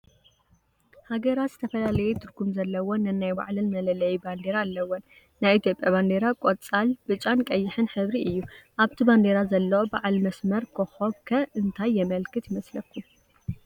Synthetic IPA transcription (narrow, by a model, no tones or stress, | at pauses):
haɡɐɾat̪z̥ɨt̪ʰɐfɐlalɐjɛt̪ʰɨɾɡumzɐlːɐwonɨnajba̰ʕlɨnmɐlɐlɐjiband̪eɾaːlːɐwon | najit̪ʰjo̞pʼjaband̪eɾakʼot͡sʼalb̥ɨt͡ʃʼankʼɐjːɪħɨnħɨβɾiʔɨjːuʔaβt̪ʰiband̪eɾazɐlːɐwobaʕalmɐsmɐɾkʰoxoβkʰɐʔɨnt̪ʰajːɛmɐlkʰɨt̪jɪmɐslɐkʰːu